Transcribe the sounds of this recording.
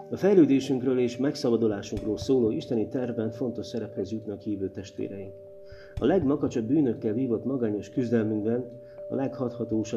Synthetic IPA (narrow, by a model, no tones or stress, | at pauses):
ɒfɛjløːd̪eːʃyŋkrøːleːʃmɛksɒbɒd̪olaːʃuŋkroːlsoːloːiʃt̪ɛnit̪ɛrvbɛɱfo̞n̪t̪o̞ʃsɛɾɛphɛzjut̪nɒkhiːvøːt̪ɛʃt̪ʋḛːɾɛjiŋk | ɒlɛɡmɒɡɒt͡ʃɒbːyːnø̞kːɛlviːvo̞t̪mɒɡaːɲo̞ʃkyzd̪ɛlmyŋɡbɛn | ɒ̰lɛkhɒt̪hɒt̪oːʃɒ